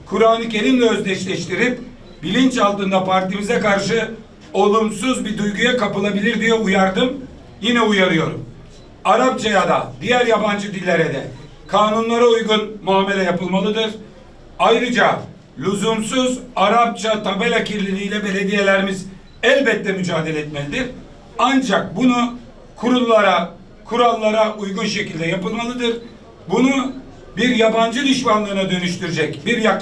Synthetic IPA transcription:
kʰuɾaːnɯce̞ɾimlʲɛø̞zd̪ʲɛʃlʲɛʃt̪iɾip̚ | bilʲint͡ʃalˠt̪ɯnd̪apʰaɾt̪imizɛkaɾʃɯ | o̞lˠumsuzbid̪ujɡujakapɯlˠabilʲiɾd̪ijɛujaɾd̪ɯm | jinɛujaɾɯjo̞ɾum | aɾap̚t͡ʃʰajad̪a̰d̪ijæɾjaband͡ʒɯd̪ilʲːeɾɛd̪ɛ | kʰaːnunlˠaɾaujɡunmuaːme̞lʲɛjapɯlˠmalˠɯd̪ɯɾ̥ | ajɾɯd͡ʒa | lʲuzumsuzaɾap̚t͡ʃʰat̪ʰabelʲacʰiɾlʲinijlʲɛbe̞lʲe̞d̪ije̞lʲeɾimiz | ɛlʲbɛt̪ːɛmyd͡ʒaːd̪elʲɛːt̪melʲid̪iɾ | and͡ʒak̚bunu | kʰuɾulˠːaɾa | kʰuɾalˠːaɾaʔujɡunʃe̞cilʲd̪ɛjapɯlˠmalˠɯd̪ɯɾ̥ | bunu | biɾjaband͡ʒɯd̪yʃmanlˠɯːnad̪ø̞nyʃt̪yɾyd͡ʒɛcbiɾjak

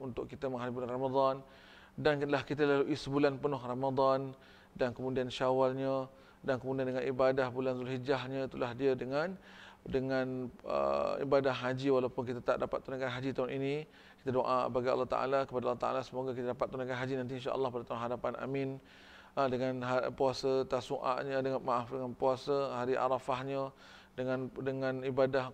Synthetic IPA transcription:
unt̪ʊʔkit̪aməŋɦalibulanrɑmad̪ˤɑn | dank̪lahkit̪alaluʔisəbulanpənʊɦrɑmad̪ˤɑn | dankəmũdianʃawalɲa | dankəmudiandəŋanibadahbulanzulɦid͡ʒaɦɲãit̪ulahdiədəŋan | dəŋãnə̰ḭbadahːad͡ʒiwalawpʊnkit̪at̪a̰ʔdapat̪ːunakanɦad͡ʒit̪aunini | ki̥t̪adoʔa̰baɡiɑ̰lːɑht̪a̰ʔa̰lakəpadalːɑht̪a̰ʔa̰lasəmoɡakit̪adapat̪ːunakanɦad͡ʒinant̪̬iinʃa̰ʔə̰lːɑhpadat̪aunɦadapana̰min | dəŋanɦapuasat̪asuʔa̰ʔɲədəŋanmaʔafdəŋanpuasaɦaɾiʔa̰ɾafahɲə | dəŋãndəŋãnibadah

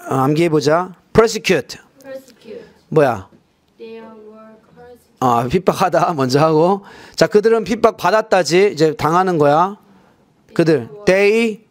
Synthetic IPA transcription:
amɡibod͡ʑapʰɾʌs̬ekʰjutʰ | mʌja̰ | apʰip͈ak̚hadamʌnd͡ʑʌɦaɡot͡ɕakɯdɯɾɯnpʰip͈ak̚padat̚t͈ad͡ʑiid͡ʑe̞taŋɦanɯnɡʌja | kɯdɯɭtei

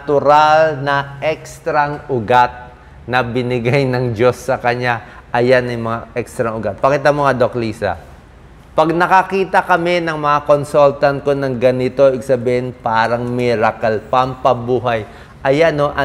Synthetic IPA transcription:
t̪ʊɾalnɐʔɛkst̪ɾɐŋʔʊɡat̪̚ | nɐbɪnɪɡajnɐŋd͡ʒo̞sːɐkɐɲaʔɐjanɐjmɐŋaʔɛkst̪ɾɐŋʊɡat̪̚pɐkiːt̪amoŋad̪okliːsɐ̰ | pɐɡnɐkɐkiːt̪ɐkɐmɛnɐŋmɐŋako̞nsolt̪ɐnt̪̚ko̞nɐŋɡɐnɪt̪o̞ʔɪɡsɐbihɪnpaːɾɐŋmɛɾakɐlpɐmpɐbuːɦɐj | ʔɐjanoʔɐ

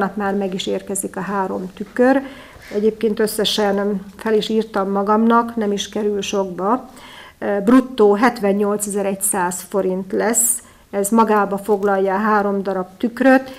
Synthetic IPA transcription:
nɒpmaːrmɛɡiʃeːrkɛzikɒɦaːɾo̞mt̪ykøɾ | ɛɟeːp̚keːnt̪ø̞sːɛʃɛnfɛliʃiːrt̪ɒmːɒɡɒmnɒknɛmiʃkɛɾylʃo̞ɡbɒ | brut̪ːoːɦɛt̪ʋɛɲːo̞lt̪sɛzɛɾɛcsaːsfo̞ɾint̪lɛs | ɛzmɒɡaːbɒfo̞ɡlɒjːɒːɦaːɾo̞md̪ɒɾɒbt̪ykrøt̪

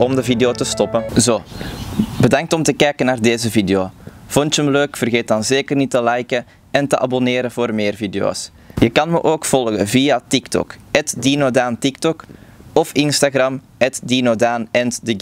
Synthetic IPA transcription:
ɔmdəvideoːtəstɔpənzoː | bədɑŋ̚tɔmtəkɛjkənaːrdeːzəvideoːv̥ɔntəmløːkfərɣeːt̚dɑnzeːkərnitəlɛjkə | ɛntəʔɑbɔneːɾənvoːrmeːrvideo̰ːs | jəkɑnməʔoːkfɔlˠɣə̰nvijatiktɔ̰kɛtdinoːdaːntik̚tɔkɔfɪnstaɣrɑm | ɛtdinoːdaːnɛntdəɡ

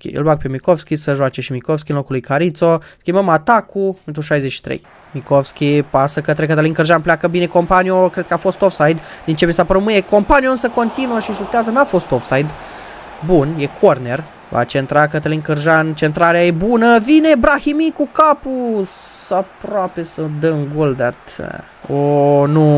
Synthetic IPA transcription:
kʲḭɨ̰lbak̚pe̞miko̞fskʲisəʒoat͡ʃe̞ʃimikovskʲinlo̞kulujkaɾit̪so̞skʲimbəmat̪akuɨnt̪uʃajzet͡ʃʃi̥t̪ɾḛj | mikofskʲipasəkət̪ɾekət̪əlinkɨrʒanpleakəbine̞kompanio̞kɾe̞d̪kəafo̞st̪ofsajd̪d̪int͡ʃemisapəɾumɨjeko̞mpanioɨnsəko̞nt̪inuəʃiʒut̪eazənafo̞st̪ofsajd̪ | bunje̞kʰo̞rne̞r | va̰t͡ʃe̞nt̪ɾakət̪əlinkɨrʒant͡ʃe̞nt̪ɾaɾeaje̞bunəvine̞bɾahimikukapusapɾoape̞səd̪əɨŋɡold̪at̪ | onu

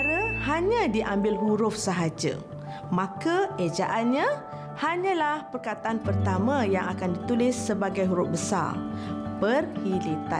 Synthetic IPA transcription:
aɾəhaɲãdiʔambɪlɦuɾʊfsəɦad͡ʒə̰ | mãkaed͡ʒaʔanɲã | haɲãlahpərkat̪aʔanpərt̪amãjaŋakandit̪ulɪsːəbaɡajɦuɾʊp̚bəsa̰rpərhilit̪a̰

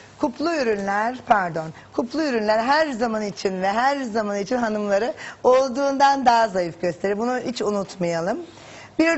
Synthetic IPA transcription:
kʰupʰlˠuyɾynlʲæɾ̥pʰæɾd̪o̞n | kʰuplˠuyɾynlʲæɾɦæɾzamanit͡ʃʰinvɛɦæɾzamanit͡ʃʰinɦanɯmlˠaɾɯo̞lˠd̪uːnd̪and̪aɦazajifɟø̞st̪ʰe̞ɾiɾbunuhit͡ʃunut̪majalˠɯm | biɾ

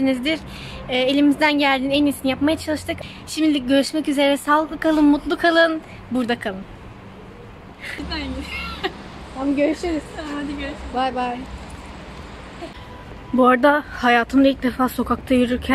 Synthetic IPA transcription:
inizd̪iɾː | e̞lʲimizd̪ænɟælʲd̪iːneninsinijapmajat͡ʃʰalˠɯʃt̪ʰɯk | ʃimd̪id̪ʲiɟø̞ɾyʃmɛcyze̞ɾnɛsalˠɯklˠɯkʰalˠɯnmut̪lˠukʰalˠɯn | buɾd̪akʰalˠɯn | a | amɟøɾyʃeɾizd̪øbajbaj | buaɾd̪ahajaːt̪ʰɯmd̪ailʲc̚d̪e̞faːso̞kʰak̚t̪ʰajyɾyɾcʰæn

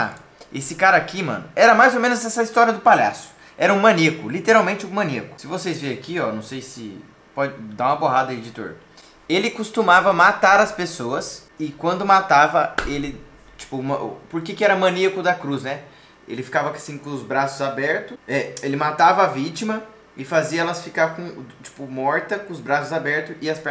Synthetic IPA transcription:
a̰ | esɪkaɾɐakimɐ̰̃nʊɛɾɐmajzomẽnʊzɛsɐist̪ɔɾiɐd̪ʊpaʎa̰sʊ̥ | ɛɾɐũmɐ̃nekʊlit̪eɾawmẽnt͡ʃɪũmɐ̃niɐkʊ̥sɪvosezvẽjɐkiɔnɐ̃w̃sejsɪ̰ | pɔd͡ʒɪd̪aũmɐpoɦad̪ɐied͡ʒɪt̪o̰ɾ | elɪkust̪umavɐmat̪aɾɐspesoɐs | ɪkwɐ̃nd̪ʊmat̪avɐelɪ | t͡ʃi̥pʊmɐ̰poɾkekɪɛɾɐmɐ̃niɐkʊd̪ɐkɾuznɛ | ḛlɪfi̥kavɐasĩkõʊzbɾasʊzabɛɾt̪ʊɛelɪmat̪avɐavit͡ʃimɐ | ɪfaziɐɛlɐsfikaɾkõt͡ʃi̥pʊmɔɾt̪ɐkõʊzbɾasʊzabɛɾt̪ʊɪɐspɛ

